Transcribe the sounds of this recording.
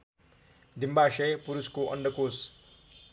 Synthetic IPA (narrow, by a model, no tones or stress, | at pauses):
d̪imbaʃʌjpuɾuskoʔʌ̰ɳɖʌkos